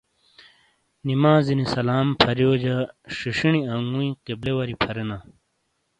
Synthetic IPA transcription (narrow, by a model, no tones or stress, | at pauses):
nimaːzinisɐlaːmpʰɐɾjoːd͡ʑɐʂiʂiɳiaŋɡũĩqeblewɐɾipʰɐɾena